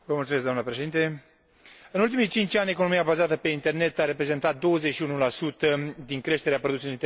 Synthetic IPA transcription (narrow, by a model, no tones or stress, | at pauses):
vəmultsumesɡd̪amnəpɾeʃe̞d̪int̪e | ɨnult̪imijt͡ʃint͡ʃʲanʲekono̞miabazat̪əpe̞int̪e̞rne̞t̪aɾe̞pɾe̞ze̞nt̪at̪̚d̪o̞wəzet͡ʃʃiunulasut̪əd̪iŋkɾe̞ʃt̪e̞ɾeapɾo̞d̪useloint̪